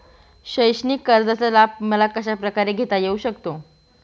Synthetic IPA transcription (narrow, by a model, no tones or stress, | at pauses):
ɕəjɕniːkəɾd͡zat͡səlab̚məlakəɕapɾəkaɾeɡʱet̪ajeuɕəkt̪o